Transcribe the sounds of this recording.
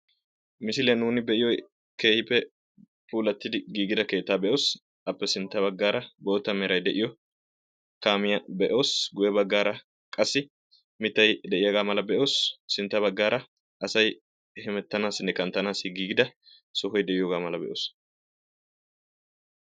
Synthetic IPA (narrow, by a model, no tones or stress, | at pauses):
mɪsɪlɛjnuːnɪbɛʔɪjɔj | ke̞ːhɪpːɛ | puːlɐt̪ːɪd̪ɪɡiːɡɪd̪ɐke̞ːt̪ːaːbɛʔo̞ːs | ɐpːɛsɪnt̪ːɐβɐɡːaːɾɐbo̞ːt̪ːɐmɛɾɐjd̪ɛʔɪjɔ | kaːmɪjɐbɛʔo̞ːsɡʊjɛbɐɡːaːɾɐ | kʼɐsːɪ | mɪt̪ːɐjd̪ɛʔɪjɐɡaːmɐlɐbɛʔo̞ːsːɪnt̪ːɐbɐɡːaːɾɐ | ʔɐsɐj | hɛmɛt̪ːɐnaːsɪnːɛkɐnt̪ːɐnaːsɪɡiːɡɪd̪ɐ | sɔɦɔjd̪ɛʔɪjoːɡaːmɐlɐbɛ̰ʔo̰ːs